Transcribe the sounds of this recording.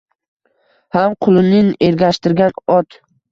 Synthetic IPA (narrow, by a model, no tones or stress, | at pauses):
hamqʰʊlˠɪmnɪnʔeɾɡʲaʃt̪ɪɾɡʲanɒt̪